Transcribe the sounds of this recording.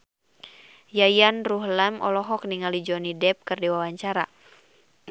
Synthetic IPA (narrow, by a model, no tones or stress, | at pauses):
jajanruɦlamɔ̰lɔɦɔk̚niŋalid͡ʒɔnidɛp̚kɨrdiwawaɲt͡ʃaɾa̰